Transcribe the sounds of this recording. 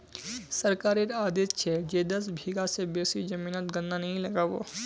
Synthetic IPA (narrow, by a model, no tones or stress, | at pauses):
sɐɾkaːɾiɾaːd̪et̪t͡ʃʰɛd͡ʒeːd̪ɐs̬bʱiɡasebeːsid͡ʒɐmiːnət̪ɡɐ̃nd̪anɐɦĩlɐɡaʋo̰ː